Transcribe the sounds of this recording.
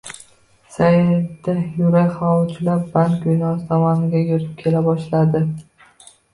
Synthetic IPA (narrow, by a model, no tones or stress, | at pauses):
saɪd̪ajʊɾajʲχawt͡ʃʰɪlaɾbankʲʊjnɒzt̪ʰɒmanɪɡʲajʊɾɪp̚kʲʰe̞labɒʃlad̪ɪ